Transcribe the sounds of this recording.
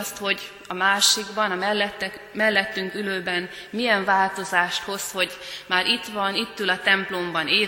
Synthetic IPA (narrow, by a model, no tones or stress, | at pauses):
st̪ho̞ɟ | ɒmaːʃiɡbɒnɒmɛɛt̪ː | mɛlːɛt̪ːyŋkyløːbɛn | mijɛɱvaːlt̪o̞zaːʃt̪ho̞sho̞ɟmaːɾʔit̪ʋɒnit̪ːylɒt̪ɛmplo̞mbɒneː